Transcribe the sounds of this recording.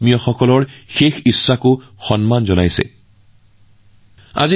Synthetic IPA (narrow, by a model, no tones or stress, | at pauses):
mijɔxɔkɔlɔɹxexisːakʊxɔnmanzɔnajsɛ̰ | a̰zi